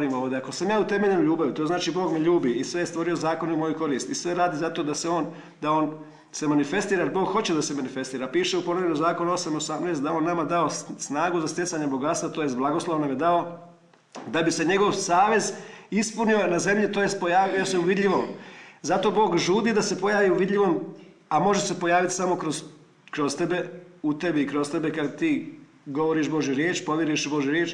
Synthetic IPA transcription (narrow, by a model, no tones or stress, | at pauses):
ɾiːmoːd̪eako̞samjaːut̪e̞me̞ʎenuʎuːbaʋit̪oznaːt͡ʃiboːɡmeʎuːbiisʋe̞jest̪ʋo̞ɾio̞zaːko̞neumo̞juko̞ɾiːst̪isʋe̞ɾaːd̪izat̪o̞d̪aseo̞ːn | d̪aoːn | se̞manife̞st̪iːɾaaɾiboːɡxo̞t͡ɕe̞d̪asemanife̞st̪iːɾapiːʃeupo̞noʋenozaːkonuo̞samiosamneːst̪d̪ao̞ːnːamad̪ao̞snaːɡuzast̪jesaɲebo̞ɡat̪st̪ʋat̪ojest̪̚blˠaɡoslˠoʋnomʲjed̪ao̞ | d̪abise̞ɲeɡo̞ʋsaːʋe̞zispunionaze̞mʎit̪oːje̞st̪̚po̞jaːʋjijose̞uʋid̪ʎʲiʋo̞mzat̪o̞bo̞ːɡʒuːd̪id̪ase̞po̞jaːʋiuʋid̪ʎʲiʋo̞m | amo̞ʒe̞se̞po̞jaːʋit̪i̥samo̞kɾoz | kɾost̪e̞be̞ut̪e̞biːkɾo̞st̪e̞bekad̪t̪iː | ɡo̞ʋo̞ɾiʃbo̞ʒjuɾjeːt͡ʃpo̞ʋjeɾuiʃbo̞ʒjuɾjeːt͡ʃ